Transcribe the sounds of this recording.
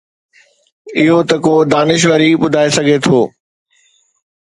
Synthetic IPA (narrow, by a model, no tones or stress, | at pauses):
ɪɦot̪ɐkoːd̪aːnɪʃ̬ʋəɾiɓʊd̪ʱaːesɐɡʱet̪ʰoː